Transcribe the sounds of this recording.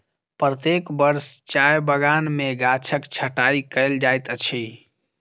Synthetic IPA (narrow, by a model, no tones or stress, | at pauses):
pɾət̪ekbəɾst͡ʃajbəɡanmeɡat͡ʃʰəkt͡ʃʰəʈaikəɪld͡ʒajt̪ət͡ʃʰi